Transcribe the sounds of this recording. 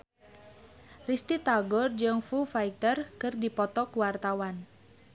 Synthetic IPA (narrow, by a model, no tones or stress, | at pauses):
rist̪it̪aɡɔrd͡ʒɨŋfufajt̪ərkərdipɔt̪ɔkuwart̪awan